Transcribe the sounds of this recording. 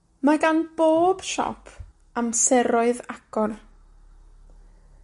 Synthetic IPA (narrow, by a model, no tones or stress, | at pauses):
maɡanb̥oːb̥ʃɔ̰pʰ | amsɛɾʊɨðaɡ̥ɔr